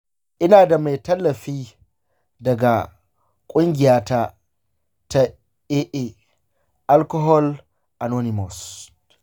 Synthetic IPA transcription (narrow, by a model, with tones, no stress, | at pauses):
ʔɪ˦naː˨da˨ma˨jtɐ˦lːɐ˨ɸiː˦ | dɐ˨ɡa˨ | kʷʼʊ˦ŋɡʲɪ˨jaː˦ta˦ | ta˨ | eː˦ʔe˦ | ʔa˦lkɔ˦ɦɔ˦l | ʔa˨no˦nɪ˨mɔ˨s